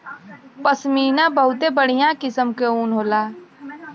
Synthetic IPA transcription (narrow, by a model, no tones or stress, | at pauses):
pəsmiːnãbəɦʊt̪ebəɽ̤ijãkɪsəmkeuːnɦoːlaː